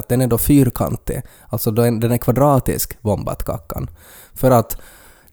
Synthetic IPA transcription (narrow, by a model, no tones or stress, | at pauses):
t̪̚d̪ɛnæɖ̪ɔfyːɾkʰa̰nt̪ːə̰ | alt̪sɔd̪ɔɛd̪ɛnækʰvad̪ɾɑːt̪ɪ̰skbɔmba̰t̪kʰa̰kːa̰n | fœɾat̪